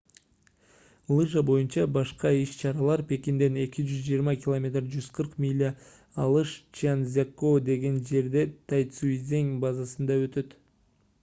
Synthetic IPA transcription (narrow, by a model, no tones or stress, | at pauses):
lˠɨʒəbo̞junt͡ʃɑbɑʃqɑiʃt͡ʃʰɑɾɑlˠɑɾpe̞kʲind̪e̞ne̞kʲid͡ʒyzd͡ʒijəɾmɑkʲɪlˠomʲe̞t̪rd͡ʒyzqʰɯɾqmʲilʲːa | ɑlˠɯʃt͡ʃanzʲakːod̪e̞ɡe̞nd͡ʒe̞ɾd̪e̞t̪ʰɑjt̪suizʲeŋbɑzɑsɯnd̪ɑø̞t̪ø̞t̪